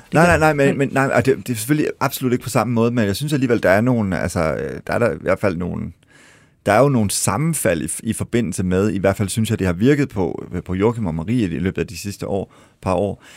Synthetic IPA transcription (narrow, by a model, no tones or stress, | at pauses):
nɑɪnɑ̈ɪnɑ̈ɪmenmenːɑ̈ɪ̰ʔɒd̥e̝d̥e̝se̥føl̰liʔɑ̈b̥solud̥eɡ̥əpʰɒ̽sɑ̈məmɔ̽ːð̞ˠmenjɑ̈ɪsynsæliːʋel̰d̥ɑ̈æɐno̝ːn̩æ̰lsəd̥ɑ̈æɐɾɑiʋæɐ̰d̥fæl̰no̝ːn̩ | d̥ɑ̈æɐjo̝no̝ːn̩sɑ̈mn̩fæl̰iifɒ̽b̥e̝n̰l̩səmeð̞ˠiʋæɐ̰d̥fæl̰synsjɑ̈ɪd̥e̝hɑ̈ʋiɐɡ̥ð̞̩ˠpʰɒ̽pʰɒ̽joːkʰimɒmɑʁḭːilø̰ːbð̩ˠæd̥isisd̥əʔɒ̰ː | pʰɑ̈ɒ̰ː